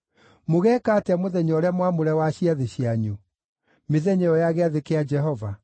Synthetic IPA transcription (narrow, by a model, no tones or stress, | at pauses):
moɣɛːkaːteamoðɛɲɔɾeamwamoɾɛwaɕjiaðeɕiaɲu | meðɛɲɛɔjaɣeaðekead͡ʒɛɦɔva